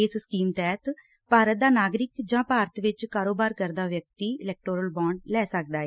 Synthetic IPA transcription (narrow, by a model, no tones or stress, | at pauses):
ɪsskiːmt̪ɛːt̪ | paːɾət̪̚d̪aːnaːɡɾɪkd͡ʒãːpaːɾət̪ʋɪt͡ʃkaːɾoːbaːɾkəɾd̪aːʋjək̚t̪iːɪlɛːk̚ʈoːɾəlbãːɳɖlɛːsək̚d̪aːɛː